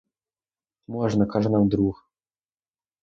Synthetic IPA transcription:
mɔʐnəkaʐnamd̪ɾux

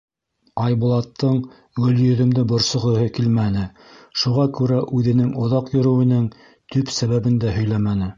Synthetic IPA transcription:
ɑjbulˠɑt̪ʰːɤɴ | ɡɵ̆ljɵ̆ðɵ̆md̪ɘbŏɾsŏʁɤ̆ɦɤkilmænɘ | ʃuʁɑkʉɾæʔʉðɘ̆nɘŋŏðɑqjɵ̆ɾɵ̆wɘ̆nɘŋ | t̪ɵpsæβæβɘnd̪æɦɵ̆jlæmænɘ

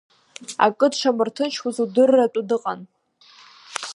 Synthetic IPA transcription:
a̰kʼɨdʂʰamɨrtʰɨnt͡ʃʰwuzudɨrːatʷʼʊdɨqʼan

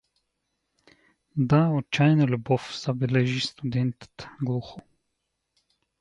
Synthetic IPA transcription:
d̪aɔt͡ʃajnalʲubɔfz̥abɛlɛʒist̪ud̪ɛnt̪t̪ɡlˠuxɔ

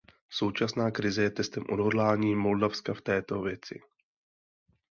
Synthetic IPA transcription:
so̞wt͡ʃasnaːkɾɪzɛjɛt̪ɛst̪ɛmʔodɦodlaːɲiːmo̞ldafskaft̪ɛːt̪o̞vjɛt͡sɪ̰

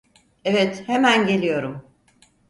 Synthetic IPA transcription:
evɛt̪hemænɟe̞lʲijo̞ɾum

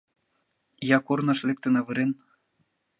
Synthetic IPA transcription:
jɑkornɑʃlek̚t̪ə̆nɑβɤ̆ɾen

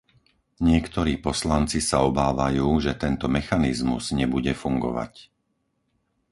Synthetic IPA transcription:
ɲɪɛkt̪ɔɾiːpɔslant͡sisaɔbaːʋajuːʒɛt̪ɛnt̪ɔmɛxanizmṵz̥ɲɛbuɟɛfuŋɡɔ̰ʋa̰c

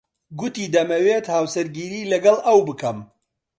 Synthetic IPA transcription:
ɡʊt̪iːd̪ɐmɐweːt̪haːwsɐɾɡiːɾiːlɐɡɐlʔɐwbɨkɐm

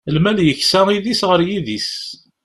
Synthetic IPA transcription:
əlmæljəçsæiðisʁəɾjiðis

